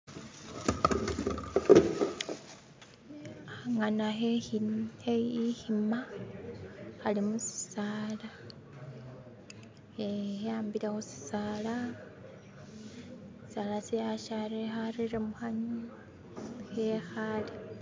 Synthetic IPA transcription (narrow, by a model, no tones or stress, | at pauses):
aŋanae | heihima | xalimusi̥saːla | ejaːmbilexusi̥saːla | si̥salasejaʃaɾexariɾemuxaɲu | xexale